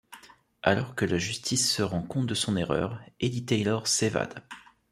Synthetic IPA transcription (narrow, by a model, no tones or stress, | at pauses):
alɔʁkəlaʒyst̪ʰisːəʁɑ̃kɔ̃t̪d̪əsɔ̃neʁœ̰ːʁed̪it̪ɛjlɔʁseva̰d̪̥